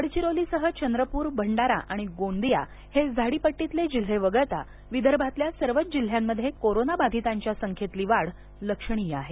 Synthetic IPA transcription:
əɽt͡ɕiɾoliːsəɦət͡ɕənd̪ɾəpuːɾbʱəɳɖaɾa̰ʔaɽ̃iɡond̪ija | hed͡zʱaɽiːpəʈːit̪led͡ʑil̤eʋəɡət̪a̰ | ʋid̪əɾbʱat̪ljasəɾʋət̪d͡ʑil̤jamːəd̪ʱːjekoɾonabad̪ʱit̪aɲt͡ɕjasəŋkʰet̪liːʋaɽ | ləkʂəɳ̃ijaɦe

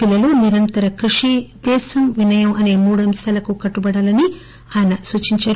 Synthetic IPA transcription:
pilːɐloːniɾɐnt̪ɐɾɐkɾuʂid̪ɛːsɐmʋinɐjɐmɐne̞ːmuːɽuɐmsaːlɐkukɐʈːubɐɽaːlɐni | aːjɐnɐsuːt͡ʃiɲt͡ʃaːɾu

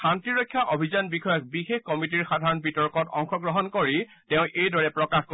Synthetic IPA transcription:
xantiɹɔjkʰːjaʔobʱizanbixɔjɔk̚bixexkɔmit̬iɹxadʱaɹɔnbitɔɹkɔtɔ̰ŋxɔɡɹɔɦɔnkoɹi | tɛ̃ʊ̃ʔejdɔɹɛpɹɔkaxko

